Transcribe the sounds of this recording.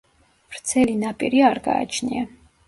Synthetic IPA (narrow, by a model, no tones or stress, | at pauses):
vɾt̪sʰɛlinapʼiɾiaɾɡa̰ːt͡ʃʰnḭa